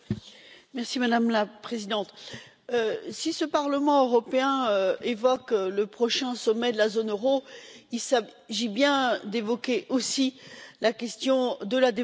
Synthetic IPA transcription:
mɛʁsimad̪amlapχezid̪ɑ̃t̪ | øsisəpaʁləmɑ̃øʁɔpeɛ̃øevɔkləpχɔʃɛ̃sɔmɛd̪əlazonøʁoilsa | ʒibjɛ̃d̪evɔkʲeʔosilakʲɛst̪jɔ̃d̪əlad̪e

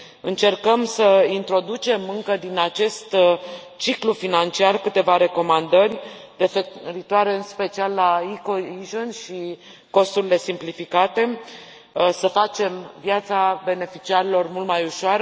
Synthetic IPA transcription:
ɨnt͡ʃe̞rkəmsəint̪ɾo̞d̪ut͡ʃe̞mɨŋkəd̪inat͡ʃe̞st̪ | t͡ʃiklufinant͡ʃiarkɨt̪e̞vaɾe̞ko̞mand̪ərʲ | refeɾit̪oaɾe̞ɨnspe̞t͡ʃialːaikoiʒonʃi | ko̞st̪uɾile̞simplifikat̪e̞ | səfat͡ʃe̞mvjat̪sabe̞ne̞fit͡ʃiaɾilo̞rmult̪majuʃoaɾə

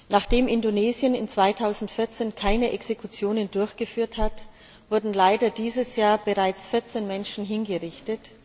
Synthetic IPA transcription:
naːχd̥eːmʔɪndoneːzjənɪnt͡sv̥aɪtʰaʊzn̩tfɪɐt͡seːnkʰaɪnəʔɛksekut͡sjoːnəndʊɐçɡ̥əfyːɐthat | v̥ʊɐdn̩laɪdɐdiːzəsjaːɐbəʁaɪt͡sfɪɐt͡seːnmɛnʃn̩ɦɪnɡəʁɪçtət

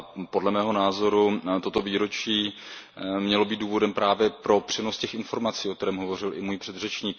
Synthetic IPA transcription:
po̞dlɛmɛːɦo̞naːzo̞ɾut̪o̞t̪o̞viːɾo̞t͡ʃiː | mɲɛlo̞biːt̪duːvo̞dɛmpɾʔaːvjɛpɾo̞pr̝̥ɛnoscɛxɪnfo̞ɾmat͡siːokt̪ɛɾɛːmɦo̞vo̞rɪlɪ̰muːjpr̝̥ɛd̪rɛt͡ʃɲiːk̚

